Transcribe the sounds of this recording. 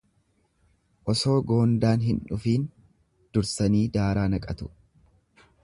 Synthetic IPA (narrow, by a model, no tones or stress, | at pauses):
ʔɔso̞ːɡo̞ːnd̪aːnɦɪnᶑʊfiːn | d̪̥ʊɾsɐniːd̪aːɾaːnɐkʼɐt̪ʊ̥